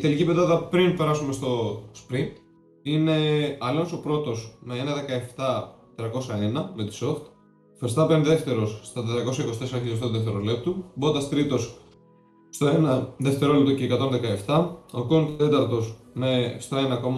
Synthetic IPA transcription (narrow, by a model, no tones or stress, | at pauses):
it̪e̞licipeðɐðɐpɾinpe̞ɾɐsume̞st̪o̞spɾint̪ | ine̞ɐlonso̞pɾo̞t̪o̞sme̞enɐðe̞kɐeft̪ɐet̪ɾɐko̞sɐenɐme̞t̪i̥so̞ft̪ | vest̪ɐpenðe̞ft̪e̞ɾo̞sst̪ɐt̪et̪ɾɐko̞sɐiko̞st̪esɾɐçiʎost̪oðeft̪eɾole̞p̚t̪ubod̪ɐst̪ɾit̪o̞s | st̪o̞enɐðe̞ft̪e̞ɾo̞lept̪oceːkɐt̪o̞nðe̞kɐeft̪ɐokont̪t̪e̞t̪ɐɾt̪o̞smest̪o̞e̞nɐko̞m